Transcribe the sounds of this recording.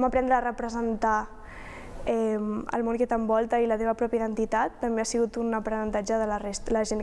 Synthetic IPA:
məpɾɛnd̪ɾəːrəpɾəzənt̪a | ɛmə̰lˠmõŋket̪əmbɔlˠt̪əilət̪eβ̞ɐpɾɔpjiðənt̪it̪at̪ːəmbeasiɣut̪unəpɾənənt̪ad͡ʒəðələrest̪ləʒen

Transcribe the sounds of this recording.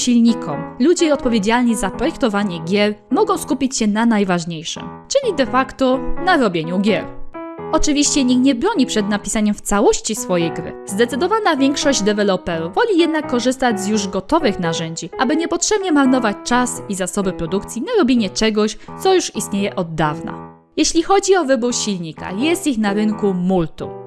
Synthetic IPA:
ɕilɲikʰɔmlud͡ʑɛɔt̪̚pɔvʲjed͡ʑalɲizapɾɔjɛkt̪ɔvaɲɛɡʲjɛɾmɔɡɔ̃w̃skupʲit͡ɕɕɛnanajvaʐɲejʂɘ̰mt͡ʂɘlʲid̪ɛfakt̪ɔnaɾɔbʲjeɲuɡʲjɛɾɔt͡ʂɘvʲiɕt͡ɕɛɲixɲɛbɾɔɲipʂɛd̪napʲisaɲɛmft̪sawɔɕt͡ɕisfɔjejɡɾɘ̰zd̪ɛt̪sɘd̪ɔvanavʲjɛŋkʂɔʑd͡ʑd̪ɛvɛlɔpɛɾuvɔlʲijɛd̪nakːɔʐɘst̪ad͡ʑzjuʐɡɔt̪ɔvɘxnaʐɛɲd͡ʑiʔabɘɲɛpɔtʂɛbɲɛmaɾnɔvat͡ɕt͡ʂasizasɔbɘpɾɔd̪ukt̪sʲjinaɾɔbʲjeɲɛt͡ʂɛɡɔɕt̪sɔjuʂist̪ɲejɛʔɔd̪ːavna̰ | jɛɕlʲixɔd͡ʑiɔvɘbuɾɕilʲɲika̰jɛst̪ixnaɾɘŋkumult̪ṵ

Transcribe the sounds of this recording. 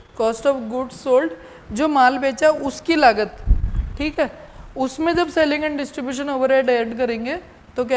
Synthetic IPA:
kɔːsʈɔːfɡʊɖsoːlɖ | d͡ʒoːmaːlbeːt͡ʃaʊskilaːɡət̪ʈʰiːkɦɛːʊsmẽd͡ʒɐbseːlɪ̃ŋɡɛ̃ɳʈɖɪsʈɾɪbjuːʃ̬ənoːʋəɾeːɖajɾʈk̬ɐɾẽːŋɡe | t̪ok̬ja

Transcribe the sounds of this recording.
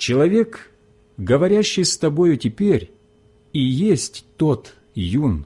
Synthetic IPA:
t͡ɕɪlˠɐvʲe̞k | ɡəvɐɾʲæɕːɪjst̪ɐbo̞jʊtʲɪpʲeɾʲ | ijesʲtʲt̪o̞t̪ | jun

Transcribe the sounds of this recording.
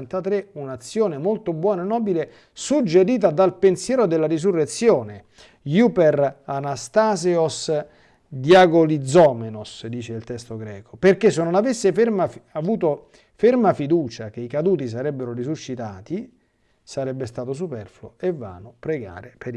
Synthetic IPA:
nt̪at̪ɾeunat̪sːjoːnemolt̪obwɔːnaenːɔːbile | sud͡ʒːeɾiːt̪̬ad̪alpensjɛːɾod̪elːaɾizurːet̪sːjoːne | juperanast̪aːseos | d̪jaɡolid̪zːɔːmenosd̪iːt͡ʃeilt̪ɛst̪oɡɾɛːkoperkesːenːonavesːefemaavuːt̪o | fermafid̪uːt͡ʃak̟eikad̪uːt̪is̬aɾɛbːeɾorizuʃːit̪aːt̪i | saɾɛbːest̪aːt̪os̬upɛrflo̰evːa̰ːnopɾeɡa̰ːɾepeɾ

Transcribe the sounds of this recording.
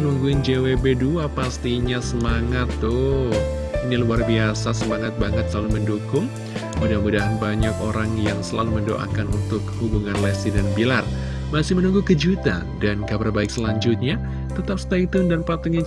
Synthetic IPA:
ənuŋɡuɪnd͡ʒewebeduapast̪iɲasəmaŋat̪ːʊ | iniluarbiasasəmaŋat̪̚baŋət̪̚səlaluməndukʊŋ | mudahmudaɦanbaɲakoɾaŋjaŋsəla̰luməndoʔa̰kanunt̪ʊk̚hubuŋanlɛsidanbilar | masɪhmənuŋɡukəd͡ʒut̪a̰ | dankabərbaɪk̚səlaɲd͡ʒʊt̪̚ɲa | t̪ət̪ap̚st̪ait̪ʊndanpat̪ua

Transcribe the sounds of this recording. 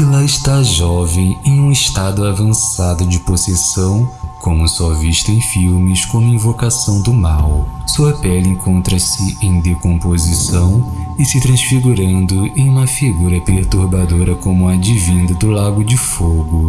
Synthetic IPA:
ɪlaɪʃt̪aʒɔvẽj̃ẽj̃ũɪsʃt̪ad̪ʊavɐ̃sad̪ʊd͡ʒɪposesɐ̃w̃kʰõmʊsɔviʃt̪ʊẽj̃fiwmɪskõmʊẽĩvokasɐ̃w̃d̪ʊmawsuɐpɛlẽŋkõnt̪ɾɐsɪʔẽj̃d̪ekõpozisɐ̃w̃ɪsɪt̪ɾɐ̃sfiɡuɾɐ̃nd̪ʊẽj̃ũmɐfiɡuɾɐpeɾt̪uɾbad̪oɾɐkõmʊɐd͡ʒivĩnd̪ɐd̪ʊlaɡʊd͡ʒɪfoɡʊ

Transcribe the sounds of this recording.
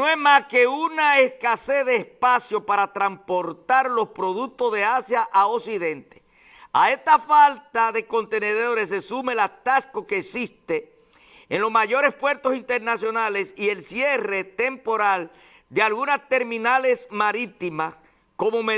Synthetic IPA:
noemaske̞unaeskaseðe̞ːspasjo̞paɾat̪ɾampo̞ɾt̪aɾlo̞spɾo̞ðuk̚t̪o̞zðe̞asjaʔaosiðe̞nt̪e̥ | a̰e̞st̪afalt̪aðe̞ko̞nt̪e̞ne̞ðo̞ɾe̞s̬ːesume̞lat̪asko̞keːksist̪e̞ː | nlo̞smaʝo̞ɾe̞spwe̞ɾt̪o̞sint̪e̞ɾnasjo̞nale̞sie̞lsje̞re̞t̪e̞mpo̞ɾal | d̪ealɣunast̪e̞ɾmĩnale̞smaɾit̪imas | ko̞mo̞me

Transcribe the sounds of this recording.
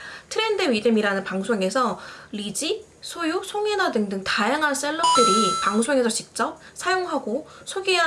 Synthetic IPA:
tʰɯɾendeɥidemiɾanɯnpaŋsʰoŋe̞sʰʌɾid͡ʑi | sʰojusʰoŋenadɯŋdɯŋtajaŋɦaɭs͈eɭːʌp̚t͈ɯɾipaŋsʰoŋe̞sʰʌt͡ɕik̚t͡ɕ͈ʌp̚sʰajoŋɦaɡosʰoɡiɦa

